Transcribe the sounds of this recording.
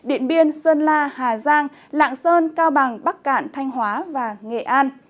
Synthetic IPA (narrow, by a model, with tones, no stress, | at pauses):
ɗḭ˧˨ənɓi˧ənsəː˧nlaː˧haː˨˩zaː˧ŋ | la̰ː˧˨ŋsəː˧nkaː˧wɓa˨˩ŋɓa˦˥k̚kaː˧˨nt̪ʰa˧jŋ̟ɦwaː˨˦vaː˨˩ŋe˨˩ʔaː˧n